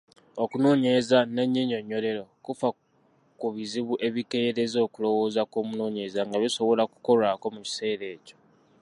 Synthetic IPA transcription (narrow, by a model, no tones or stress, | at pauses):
okuno̞ːɲeezaneɲːiɲoɲːo̞le̞ɾo̞kufa | kuβiziβuʔe̞βikeɾe̞zo̞ːkulo̞wo̞ːzakoːmuno̞ːɲeezaŋɡaβiso̞βo̞laku̥ko̞laːko̞muci̥se̞ːɾe̞ːco̞̥